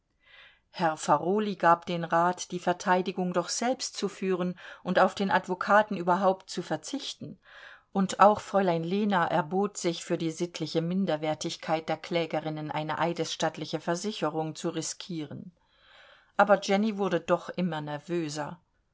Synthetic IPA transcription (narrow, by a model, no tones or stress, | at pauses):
hɛɐfaʁoːliɡaːpd̥eːnʁaːtd̥iːfɛɐtʰaɪdɪɡʊŋdɔχz̥ɛlpstt͡sufyːʁənʔʊntaʊfd̥eːnʔatv̥okʰaːtn̩ʔyːbɐɦaʊptt͡sufɛɐt͡sɪçtn̩ | ʔʊntaʊxfʁ̥ɔʏlaɪnleːnaʔɛɐboːtz̥ɪçfyːɐdiːzɪtʰlɪçəmɪndɐvɛːɐtɪçkʰaɪt̚d̥eːɐkl̥ɛːɡəʁɪnənʔa̰ɪnəʔaɪdəsʃtaːtlɪçəfɛɐzɪçəʁʊŋt͡suʁɪskʰiːʁən | ʔaːbɐd͡ʒɛnivʊɐdədɔχʔɪmɐnɛɐvøːzɐ